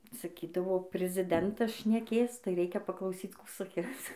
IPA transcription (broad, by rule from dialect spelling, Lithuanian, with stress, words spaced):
sɐˈkʲiːdɐʋoː pʲrʲɪzʲɪˈdʲɛntɐs ʃʲnʲɛˈkʲeːs tɐɪ ˈrʲɛɪkʲɛ pɐklˠɐʊˈsʲiːt͡s ˈkuː sɐˈkʲɪs